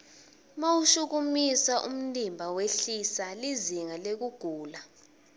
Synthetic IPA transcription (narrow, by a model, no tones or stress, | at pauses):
mawuʃuk̬umisaʔṵm̩limbʱaweɬisaliziŋalek̬uɡ̥ʱuːla